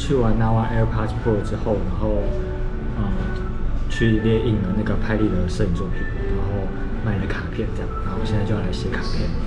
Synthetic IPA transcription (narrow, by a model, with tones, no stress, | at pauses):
t͡ɕʰy˥˩wa˧˦nna˥wa˥˧ʔɛ˧˥˦pʰa˥tʰpʰo˥˩˨ʈ͡ʂɻ̩˦xo˥˨ʊna˧˦nxo˥˨ʊ | ə˨ | t͡ɕʰy˥˩ljɛ˥˧ʔi˥˩ŋlə˩na˥˩ɡə˩pʰa˧˥ɪli˥˨˩d̪ə˩ʂɤ˥˧˨i˨˩ŋt͡swɔ˥˨pʰi˨˩nna˨˧˦nxo˥˨ʊ | ma˥˩ɪdə˨˩kʰa˨˩pʰjɛ˥˩˨nt͡ɕja˥˩ŋna˨˧˦xo˥˩ɕɛ˥˧na˥˧t͡ɕjo˧ja˥˧˩a˧˦ɪɕjɛ˨˧˥kʰa˨˩pʰjɛ˥˨n